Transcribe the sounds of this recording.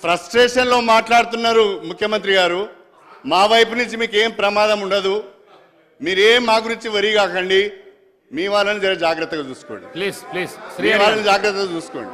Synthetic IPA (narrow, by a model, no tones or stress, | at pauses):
pʰɾɐsʈɾeːʂɐnlo̞ːmaːʈlaːɽut̪̬unːaːɾumukʰjɐmɐnt̪ɾiɡaːɾu | maːʋɐjp̬unuɲt͡ʃimiːke̞ːmpɾɐmaːd̪ɐmuɳɖɐd̪u | miːɾeːmːaːɡuɾiɲt͡ʃiʋɐɾiɡaːkɐɳɖi | miːʋaːɭːɐnid͡ʒɐɾɐd͡ʒaːɡɾɐt̪ːɐɡaːt͡ʃuːsu̥ko̰ːɳɖiismiːʋaːlːɐnid͡ʒaːɡɾɐt̪ːɐɡaːt͡ʃuːsu̥koːɳɖi